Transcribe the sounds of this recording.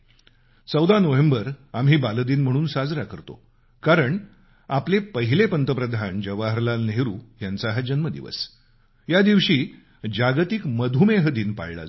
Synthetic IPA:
t͡səwd̪anoʋembəɾamɦiːbaləd̪iːnm̤əɽ̃uːnsad͡zɾakəɾt̪o̰ | kaɾəɳ | aplepəɦilepənt̪əpɾəd̪ʱand͡ʑəʋaɦəɾlalneɾuːjant͡saɦad͡ʑənməd̪ḭʋə̰s | jad̪iʋɕiː | d͡ʑaɡt̪ikməd̪ʱumeɦəd̪iːnpa̰ɭla̰d͡z

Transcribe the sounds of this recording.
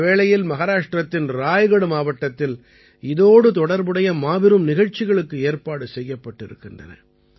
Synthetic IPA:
ʋeːɭɐjɪlmɐɣɐɾaːʂʈɾɐt̪ːɪnɾaːjɣɐɽɯmaːʋɐʈːɐt̪ːɪl | ɪðoːɽɯt̪ɔɽɐɾbɯɽɐjɐmaːʋɪɾɯmnɪɣɐɻt͡ʃːɪɣɐɭɯkːɯeːɾpaːɽɯsɛjːɐpːɐʈːɪɾɯ̰kːɪndrɐ̰nɐ̰

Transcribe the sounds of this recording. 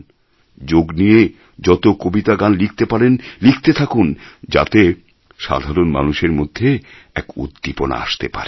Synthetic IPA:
d͡ʑoɡnije | d͡ʑɔt̪okobit̪aɡanlik̚ʰt̪epaɾenlikʰt̪et̪ʰakund͡ʑa̰t̪e | ʃa̰d̪ʱaɾonma̰nuʃeɾmod̪ʱːe | ɛkṵd̪ːipona̰a̰ʃt̪epa̰ɾe

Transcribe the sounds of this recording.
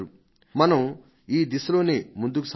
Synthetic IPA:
ɾu | mɐnɐm | iːd̪isɐlo̞ːneːmund̪uk̬us

